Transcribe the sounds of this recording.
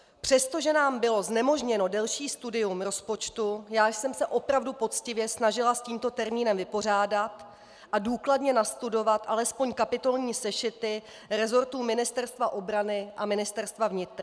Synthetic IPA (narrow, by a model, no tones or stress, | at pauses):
pr̝̥ɛst̪o̞ʒɛnaːmbɪlo̞znɛmo̞ʒɲɛno̞dɛlʃiːst̪udɪumɾo̞spo̞t͡ʃt̪ujaːʃsɛmsɛʔo̞pɾavdupo̞t̪t͡scɪvjɛsnaʒɪlasciːmt̪o̞t̪ɛɾmiːnɛmvɪpo̞r̝aːdat̪ | ʔaduːkladɲɛnast̪udo̞vat̪ʔalɛspo̞ɲkapɪt̪o̞lɲiːsɛʃɪt̪ɪ | ɾɛzo̞ɾt̪uːmɪnɪst̪ɛɾst̪vaʔo̞bɾanɪʔamɪnɪst̪ɛɾst̪vavɲɪt̪ɾ